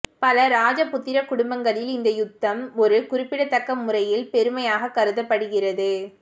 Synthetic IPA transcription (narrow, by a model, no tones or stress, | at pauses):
pɐlɐɾaːd͡ʒɐpːʊt̪ːɪɾɐkʊɽʊmbɐŋɡɐɭɪlɪnd̪ɐjʊt̪ːɐmɔɾɯkʊɾɪpːɪɽɐt̪ːɐkːɐmːʊrɐjɪlpɛɾɯmɐjaːɣɐkːɐɾɯðɐpːɐɽɯɣɪrɐðɯ